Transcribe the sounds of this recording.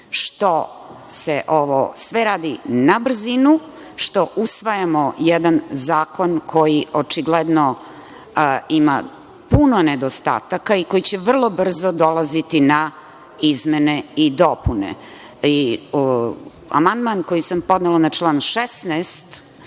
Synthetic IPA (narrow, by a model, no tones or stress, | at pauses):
ʃt̪oseʔoʋosʋeɾaːd̪inabr̩zinu | ʃt̪o̞ʔusʋajamojɛd̪anzaːko̞nkʰo̞jiʔot͡ʃiɡled̪no | ima̰ | punoned̪ost̪a̰ːt̪akaiko̞jit͡ɕeʋr̩lˠo̞br̩zod̪olˠazit̪ina | izmeneid̪opunḛ | i | a̰mand̪mankojisampo̞d̪nelanat͡ʃlˠaːnʃesnɛst̪